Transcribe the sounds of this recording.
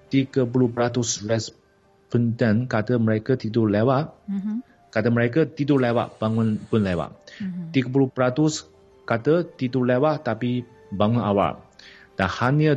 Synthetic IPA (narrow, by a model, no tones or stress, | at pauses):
t̪iɡəp̬ulupəɾat̪usɹɛs | pəntənkat̪əməɾekət̪it̪ulewaʔ | kat̪əməɾekət̪it̪ulewa̰ʔb̥aŋunpʊnlewa̰ʔt̪iɡəp̬uluhpəɾat̪us | kat̪ət̪it̪ulewaʔt̪api | baŋuna̰wa̰ldanhaniə